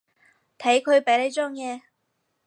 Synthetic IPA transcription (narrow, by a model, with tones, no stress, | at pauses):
t̪ʰe˨˥jkʰɵ˨˧ɥpe˨˥le˨˧jt͡sɔː˥ŋjɛː˨˧